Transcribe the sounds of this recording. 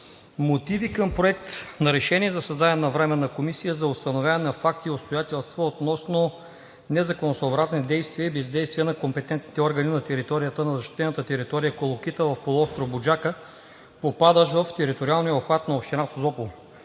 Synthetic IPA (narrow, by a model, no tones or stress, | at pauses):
mot̪ivikəmpɾoɛk̚t̪nɐɾɛʃɛniɛzɐsɐzd̪aɛnɐvɾɛmɛnɐkomisijəzɐost̪ɐnovʲjaɛnɐfak̚t̪iopst̪ojat̪ʲɛlˠst̪vəot̪nɔsno | nɛzɐkonosoːbɾaznid̪ɛjst̪viəibɛzd̪ɛjst̪viənɐkompɛt̪ɛnt̪ni̥t̪ɛɔɾɡəninɐt̪ɛɾit̪ɔɾijət̪ənɐzɐʃt̪i̥t̪ɛnət̪ət̪ɛɾit̪ɔɾijəkolˠok̟it̪əvɐfpolˠʊɔst̪ɾobʊd͡ʒakə | popad̪əʃvəft̪ɛɾit̪oɾialˠnijəopxvat̪nɐofʃt̪inasozɔpol